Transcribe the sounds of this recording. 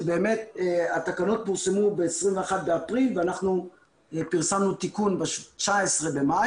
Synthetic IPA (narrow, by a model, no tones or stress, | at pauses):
be̞ːme̞t̪at̪akanot̪̚puʁsemubeːsʁimveaχat̪̚be̞apʁilveanaχnu | epiʁsamnut̪ikunbaʃt͡ʃaesʁe̞be̞ma